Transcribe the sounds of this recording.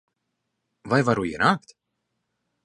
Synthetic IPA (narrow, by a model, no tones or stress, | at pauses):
vajvaɾuḭnaːkt̪